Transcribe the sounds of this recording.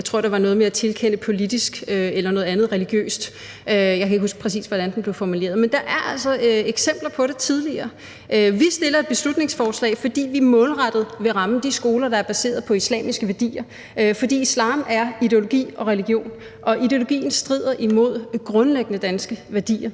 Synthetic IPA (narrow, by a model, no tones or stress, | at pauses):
aɪt͡sʰʁo̰ɐ̰d̥eʋɑ̈nɔ̽ðˠmeæt͡sʰe̝lkʰen̰əpʰo̝lid̥isɡ̥øelɐnɔ̽ːðˠænð̞ˠʁɛliɡ̥jø̰ːsd̥ | øjɑaɪkʰæeɡkɦusɡ̥pʰʁɛs̬ḭːsʋɒɾ̥ænd̥en̩b̥le̝ʊfɒmule̝̰ːɐð̞̩ˠmend̥ɑ̈ʔæɐæl̰sɒ̽eɡ̥sem̰b̥lɐpʰɒ̽ɾ̥e̝t͡sʰið̞ˠliɐː | ʔøʋisd̥e̝lɐe̝d̥̚b̥e̝slud̥ne̝ŋsfɒːslɛ̰ɪfɒ̽d̥ḭːʋimɔ̽ːlʁɑd̥əð̩ˠʋe̝ʁɑ̈m̩d̥isɡ̥o̝ːlɐd̥ɑ̈æɐb̥æse̝̰ːɐð̞̩ˠpʰɒ̽islɛ̰ːmisɡ̥əʋæɐd̥ḭːɐ | ʔøfɒ̽d̥ḭːislɑ̰̈ːmæɐide̝o̝lo̝ɡ̥ḭːɒ̽ʁɛliɡ̥jo̝̰ːn | ʔɒ̽ʔid̥e̝o̝lo̝ɡ̥ḭːn̩sd̥ʁið̰ˠɐʔimo̝ð̞̰ˠɡ̥ʁɔ̽nleɡ̥ənəd̥ænsɡ̥əʋæɐd̥ḭːɐ